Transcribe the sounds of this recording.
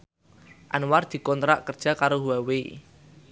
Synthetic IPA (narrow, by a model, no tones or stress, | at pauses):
ʔanward̪̥i̤kɔnt̪ɾa̰ʔkərd̥ʒ̥a̤kaɾoɦuwawe